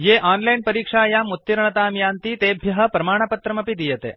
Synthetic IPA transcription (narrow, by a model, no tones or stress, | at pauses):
jeːʔaːnlɐjnpɐɾiːkʂaːjaːmut̪ːiɾɳɐt̪aːmjaːnt̪iːt̪eːbʱjɐɦɐ̆pɾɐmaːɳ̃ɐpɐt̪ɾɐmɐpid̪ijɐt̪ḛː